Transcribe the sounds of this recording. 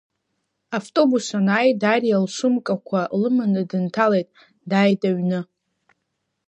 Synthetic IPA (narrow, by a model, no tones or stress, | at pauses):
aftʼo̞busanaːjdarjalʂʷʊmkʼakʷʰalɨmɨnɨdɨntʰalejtʼ | dajdaɥnɨ